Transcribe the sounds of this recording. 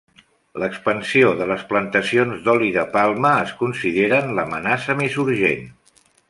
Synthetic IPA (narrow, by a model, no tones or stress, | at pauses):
ləkspənsioðələsplənt̪əsionzd̪ɔliðəpalˠməːskunsiðeɾənləmənasəmisuɾʒḛn